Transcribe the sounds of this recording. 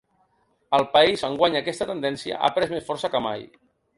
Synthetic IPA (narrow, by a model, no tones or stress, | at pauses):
əlˠpəizəŋɡwaɲəkɛst̪ət̪ənd̪ɛnsiə̰ʔa̰pɾɛzmesfɔɾsəkəma̰j